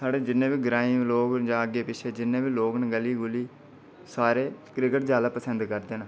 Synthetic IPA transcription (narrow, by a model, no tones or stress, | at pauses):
saːɽeːd͡ʒɪnːẽːʋiːɡɾaːĩmloːkd͡ʒãːəɡeːpɪt͡ʃʰeːd͡ʒɪnːẽːʋiːloːknəɡəlːiːɡʊliː | saːɾeːkɾɪkəʈd͡ʒaːlapəsənd̪kəɾd̪eːnaː